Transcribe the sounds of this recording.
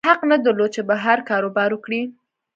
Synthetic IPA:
haqnad̪əɾlod̪̚t͡ʃebaɦaɾkɑɾobɑɾwəkɽi

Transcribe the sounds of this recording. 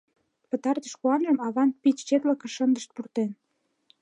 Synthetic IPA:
pə̆t̪ɑrt̪ə̆ʃkuɑnʒəmɑβɑn̚pit͡ɕt͡ɕet̪lə̆kə̆ʃənd̪əʃt̪̚purt̪en

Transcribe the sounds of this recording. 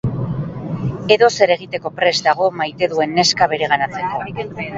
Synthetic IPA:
e̞ðo̞se̞ɾe̞ɣ̞it̪e̞ko̞pɾe̞zd̪aɣ̞o̞majt̪e̞ðue̞nːe̞skaβ̞e̞ɾe̞ɣ̞anat͡se̞ko̞

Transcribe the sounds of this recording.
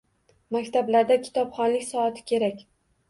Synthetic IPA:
makʲt̪ʰablaɾd̪akʲʰɪ̥t̪ʰɒpχɒnlɪkʲsɒat̪ʰɪ̥kʲʰe̞ɾakʲ

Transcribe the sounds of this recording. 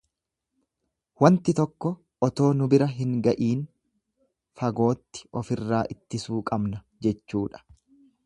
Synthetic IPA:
wɐnt̪ɪt̪ɔkːɔ | ʔɔt̪o̞ːnʊbɪɾɐɦɪŋɡɐʔiːn | fɐɡo̞ːt̪ːɪ̥ɔfɪrːaːʔɪt̪ːɪsuːkʼɐbnɐ | d͡ʒɛt͡ʃːuːᶑɐ̥

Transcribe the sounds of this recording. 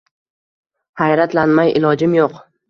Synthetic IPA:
hajɾat̪lanmajʔɪlˠɒd͡ʒɪmjoq

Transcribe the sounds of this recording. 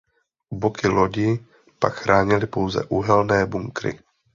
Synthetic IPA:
ubokɪloɟɪ | pakxɾʔaːɲɪlɪpo̞wzɛ̰ʔuɦɛlnɛːbuŋkɾɪ̰

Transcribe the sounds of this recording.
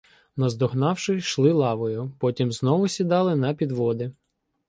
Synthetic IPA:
nɐzd̪ɔɦnɑwʃɪʃlˠɪlˠɑʋɔjʊpɔtʲimznɔʋʊsʲid̪ɑlˠɪnɐpʲid̪ʋɔd̪ɪ

